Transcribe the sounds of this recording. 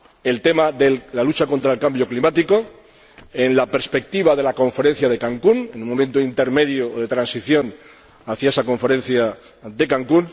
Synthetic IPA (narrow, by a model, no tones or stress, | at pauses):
e̞lt̪e̞maðelalut͡ʃako̞nt̪ɾaelkambjo̞klimat̪iko̞ | e̞nlape̞ɾspe̞k̚t̪iβaðe̞lako̞ɱfe̞ɾẽ̞n̟θjaðe̞kaŋkune̞nũmoment̪oint̪e̞ɾme̞ðjoðe̞t̪ɾansiθjo̞n | aθjae̞sako̞ɱfe̞ɾe̞nθja | d̪e̞kaŋkun